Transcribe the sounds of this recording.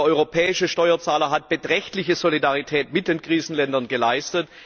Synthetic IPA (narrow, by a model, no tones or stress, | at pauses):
ʔɔʏʁopʰɛːɪʃəʃtɔʏɐt͡saːlɐɦat̚b̥ətʁ̥ɛçtlɪçəzolidaʁitʰɛːtmɪt̚d̥eːnɡʁiːzn̩lɛndɐnɡəlaɪstət